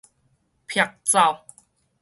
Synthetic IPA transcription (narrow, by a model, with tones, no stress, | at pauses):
pʰia˧˩k̚t͡sa˧˩w